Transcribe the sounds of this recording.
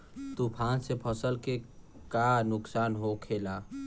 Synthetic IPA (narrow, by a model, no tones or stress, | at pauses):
t̪upʰãːnsepʰəsəlke | kanʊksaːnɦokʰeːla